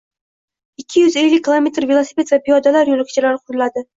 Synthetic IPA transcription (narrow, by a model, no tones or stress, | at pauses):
ɪkʲʰːɪjʏze̞lːɪk̚ʲʰːilˠome̞t̪ɾvilˠosipʲe̞t̪vapijɒd̪alaɾjolˠɪkʰʲɪ̥t͡ʃʰɪlaɾɪqʰʊɾlad̪ɪ